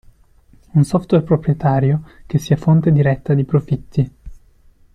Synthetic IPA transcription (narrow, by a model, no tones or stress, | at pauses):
unsɔft̪werpɾopɾjet̪aːɾjokesːiafont̪ed̪iɾɛt̪ːad̪ipɾofit̪ːi